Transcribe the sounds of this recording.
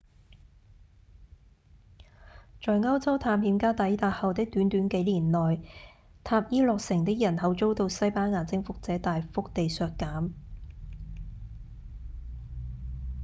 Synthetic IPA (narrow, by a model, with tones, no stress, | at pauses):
t͡ʃɔː˨jŋɐ˥wt͡sɐ˥wt̪ʰaː˨˧mhiː˨˧mkaː˥t̪ɐ˨˥jt̪aː˨˧t̚hɐ˨wt̪ɪ˥k̚t̪yː˨˥nt̪yː˨˥nke˨˥jliː˨˩nlɔː˨j | t̪ʰaː˧p̚jiː˥lɔː˨˧k̚sɪ˨˩ŋt̪ɪ˥k̚jɐ˨˩nhɐ˨˥wt͡so˥wt̪o˧wsɐ˥jpaː˥nŋaː˨˧t͡sɪ˥ŋfʊ˥k̚t͡sɛː˨˥t̪aː˨jfʊ˥k̚t̪e˨jsœː˨kkːaː˨˥m